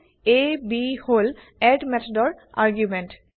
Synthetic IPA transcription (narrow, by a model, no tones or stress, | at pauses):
ebihol | ɛdmɛt̪ʰɔdɔɹ | a̰ɹɡjumɛnt